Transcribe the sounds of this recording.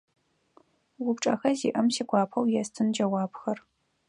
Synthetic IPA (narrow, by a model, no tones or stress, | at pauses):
wʊpʈ͡ʂʼɐ̰xɐzḭːʔɐmsiːɡʷɑːpʰɐwjɛstʰɨnd͡ʒɐwɑːpxɐr